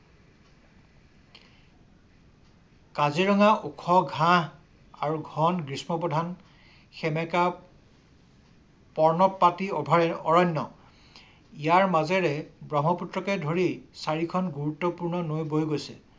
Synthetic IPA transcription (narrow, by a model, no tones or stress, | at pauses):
kaziɹɔŋaʔukʰɔɡʱãɦ | aɹuɡʱɔnɡɹismɔpɔdʱan | xɛmɛka | pɔɹnɔt̚patiɔbʱaɔɹɔnːɔ | ijaɹmazɛɹɛbɹɔmɔputɹɔkɛdʱoɹijsaɹikʰɔnɡuɹutːɔpuɹnɔnojbojɡojsɛ̰